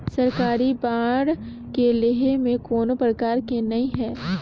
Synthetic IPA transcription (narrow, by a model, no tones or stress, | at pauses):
sɐɾkaːɾibãːɽ | kelɪɦemẽkoːnopɾəkaːɾkenɐĩɦɛː